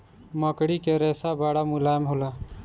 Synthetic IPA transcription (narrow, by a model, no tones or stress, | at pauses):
məkɽikeɾɛːsabaɽamulaːjmɦola